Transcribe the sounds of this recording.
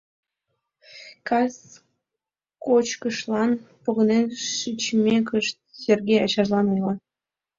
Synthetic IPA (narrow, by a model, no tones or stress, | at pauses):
kɑs | kot͡ɕkəʃlˠɑn | poɣənenʃit͡ɕmʲekəʃt̪̚serɣʲejɑ̰t͡ɕɑʒlɑnojlɑ